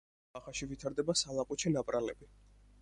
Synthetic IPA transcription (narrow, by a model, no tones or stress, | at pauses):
aχaʃivit̪ʰaɾd̪ɛbasalˠaqʼut͡ʃʰɛnapʼɾalɛbi